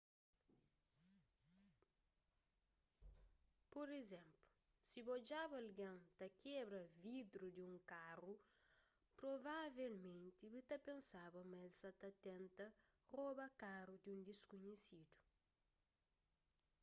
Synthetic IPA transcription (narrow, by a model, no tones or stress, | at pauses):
poɾezẽmplu | sibɔd͡ʒabɐlɡɐ̃nt̪ɐkebɾɐvid̪ɾud̪iũŋkaru | pɾovavelmẽnt̪ibɨt̪ɐpẽnsabɐmɛlsɐt̪ɐt̪ɛ̃nt̪ɐ | robɐkaɾud̪iũnd̪eskuɲesid̪u̥